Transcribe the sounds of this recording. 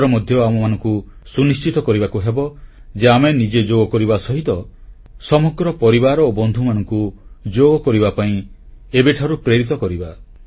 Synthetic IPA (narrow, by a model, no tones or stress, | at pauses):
ɾɔmɔd̪ʱjɔamɔmanɔŋku | sunist͡ʃit̪ɔkɔɾibakuɦebɔd͡ʒeamenid͡ʒed͡ʒoɡɔkɔɾibasɔɦit̪ɔ | sɔmɔɡɾɔpɔɾibaɾɔobɔnd̪ʱumanɔŋkud͡ʒoɡɔkɔɾibapaĩebeʈʰaɾupɾeɾit̪ɔkɔɾiba